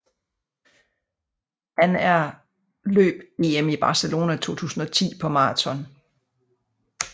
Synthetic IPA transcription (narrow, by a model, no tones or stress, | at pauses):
hænæɐ | lø̰ːb̥e̝ːemib̥ɑ̈selo̝̰ːnæt͡sʰo̝̰ːt͡sʰṵːsn̩ɒ̽t͡sʰḭːpʰɒ̽mɑ̈ːɑt͡sʰɒ̽n